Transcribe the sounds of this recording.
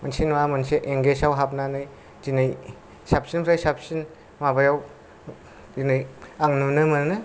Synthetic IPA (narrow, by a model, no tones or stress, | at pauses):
mansinwamɯnseʔeŋɡesawɦap̬̚nanɯj | zinɯj | sap̚sinpʰɾajsap̚sin | mabajaw | zinɯjaŋnɯnɯmɯnɯnɯ